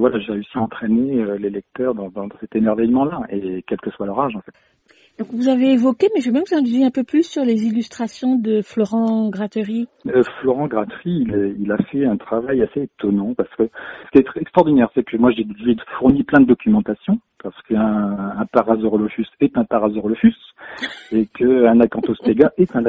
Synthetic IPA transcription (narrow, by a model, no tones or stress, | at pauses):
vwalaʒeʁeysiaɑ̃t̪χɛneølelɛk̚t̪œːʁd̪ɑ̃d̪ɑ̃d̪ɑ̃sɛt̪emɛʁvɛjmɑ̃laekʲɛlkəswalœʁaʒɑ̃fɛt̪ | d̪ɔ̃kvuzaveːvɔkʲemɛʒebjɛ̃vuzɛ̃d̪yzeɛ̃pøplysːyʁlezilyst̪χasjɔ̃d̪əflɔʁɑ̃ɡʁat̪əʁiøflɔʁɑ̃ɡʁat̪ʁiːlɛilafɛɛ̃t̪χavajaseːt̪ɔnɑ̃paʁsə̥kəsə̥kʲiɛt̪ɛɛkst̪χɔʁd̪inɛʁsɛkəmwaʒeʒeəfuʁniplɛ̃d̪əd̪ɔkʲymɑ̃t̪asjɔ̃paʁsə̥kəɛ̃ɛ̃paʁazɔʁlɔfysɛt̪ɛ̃paʁazɔʁlɔfys | ekəɛ̃nakɑ̃t̪ospeɡaʔɛt̪ɛ̃n